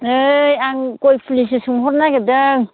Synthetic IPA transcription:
ɯjaŋkojpʰulisɯsuŋɦɔɾnaɡedɯŋ

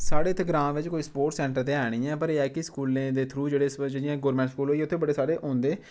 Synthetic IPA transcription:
saːɽeːt̪eɡɾãːʋɪt͡ʃkoːiːspoːɾʈsɛ̃ːɳʈəɾt̪eːɦɛːɽ̃ĩːɛ̃ːpəɾeːɛːkɪskuːlẽːd̪eːt̪ʰɾuːd͡ʒeːɽeːsd͡ʒɪɽijãːɡoːɾmɛ̃ːʈskuːlɦoːiɛʊt̪ʰːeːbəɽeːsaːɽeːʔõːnd̪eː

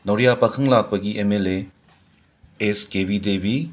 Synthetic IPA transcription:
nɐwɾijapɐkʰɯŋlak̚paɡiʔemele | eskebid̪ebi

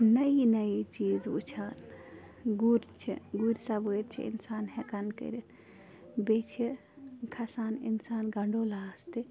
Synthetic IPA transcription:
nɐinɐit͡ʃiːzṵt͡ʃʰaːn | ɡuɾʲt͡ʃʰḭɡuɾsabojɾt͡ʃʰḭḭnsaːnhekɐnkə̰ɾit̪ʰ | bet͡ʃʰi | kʰɐsaːnḭnsaːnɡɐɳɖolaːst̪i

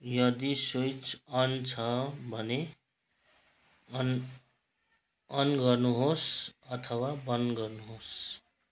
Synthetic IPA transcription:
jʌd̪isojt͡sʌnt͡sʰʌbʱʌne | n | ʌnɡʌrnuɦosʌt̪ʰʌwabʌnd̪ɡʌrnuɦos

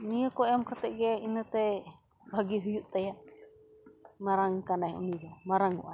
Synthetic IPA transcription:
nijakɔɛmkat̪ɛʔɡɛinat̪ɛ | bʱaɡiɦujuʔt̪aja | maɾaŋkanajṵnid͡ʒɔmaɾaŋṵʔa

